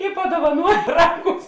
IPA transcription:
ɪ pɐduɔʋɐˈnuɔj ˈrɑːˌɡʊs

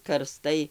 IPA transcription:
kɐrˈstɐɪ

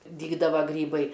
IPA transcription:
ˈdʲiːɡdɐʋɐ ˈɡrʲiːbɐɪ

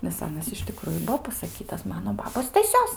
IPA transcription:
nʲɛs ˈɑːnɐs ɪʃ tʲɪˈkrʊjʊ ˈbuɔ pɐsɐˈkʲiːtɐs ˈmɑːnoː ˈbɑːboːs stɐˈsʲoːs

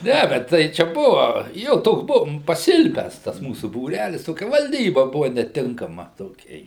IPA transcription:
ˈnʲæʋʲɛt ˈtɐɪ ˈt͡ʃʲɛ ˈbʊʋɐ ˈjoː ˈtoːks ˈbʊʋoːm pɐˈsʲɪlʲpʲæːs tɐs ˈmuːsʊ buːˈrʲælʲɪs ˈtoːkʲɛ ʋɐlʲˈdʲiːbɐ ˈbʊʋɐ nʲɛˈtʲɪŋkɐmɐ toːˈkʲɛ

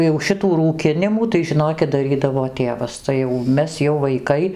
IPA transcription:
jɛʊ ˈʃʲɪtuː ruːˈkʲɪnʲɪmuː tɐɪ ʒʲɪˈnoːkʲɪt dɐˈrʲiːdɐʋoː ˈtʲeːʋɐs tɐɪ jɛʊ ˈmʲɛs jɛʊ ʋɐɪkɐɪ

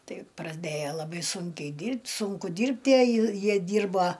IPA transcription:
ˈtɐɪ prɐˈdʲeːjoː lˠɐˈbɐɪ ˈsuːŋʲkʲɛɪ ˈdʲiːrʲpʲtʲ ˈsʊŋkʊ ˈdʲiːrʲpʲtʲ ˈjiɛ ˈjiɛ ˈdʲiːrbɐ

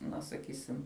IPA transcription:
ˈnɐ sɐˈkʲiːsʲɪm

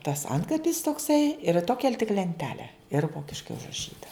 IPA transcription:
tɐs ˈɐntkɐpʲɪs toːkˈsɐɪ ɪr ˈtoːkʲɛ tʲɪk lʲɛnʲˈtʲæːlʲɛ ɪr ˈʋoːkʲɪʃkɐɪ ʊʒrɐˈʃʲiːtɐ

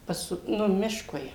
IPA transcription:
ˈpɐs ˈnʊ ˈmʲɪʃkʊɪ

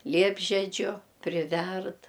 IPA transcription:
ˈlʲiɛbʲʒʲɛd͡ʒʲʊ pʲrʲɪˈʋʲɛrt

